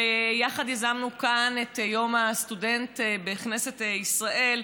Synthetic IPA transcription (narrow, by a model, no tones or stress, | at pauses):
ejaχadjazamnukanetjo̞mastude̞ntbeχnesetisʁaʔe̞l